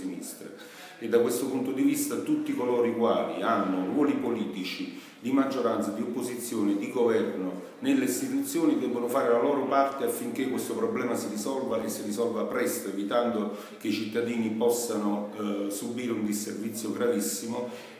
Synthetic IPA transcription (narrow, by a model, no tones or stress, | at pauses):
inist̪ɾa | ed̪ːakwest̪ʊpunt̪od̪ivist̪at̪ut̪ːikolɔːɾikwaːlḭanːʊrwɔːlipoliːt̪it͡ʃi | d̪imad͡ʒːoɾant̪sad̪iopːozit̪sːjoːnid̪iɡovɛrnʊ | nelːeist̪it̪ut̪sːjoːnid̪ɛbːonʊfaːɾelalɔːɾʊpart̪eafːiŋkekːwest̪opɾɔblɛːmasirisɔlvaʔesːirisɔlvapɾɛst̪oevit̪and̪oʊ | keit͡ʃit̪ːad̪iːnipɔsːanʊsubiːɾeund̪isːervit̪sːjoɡɾavisːimʊ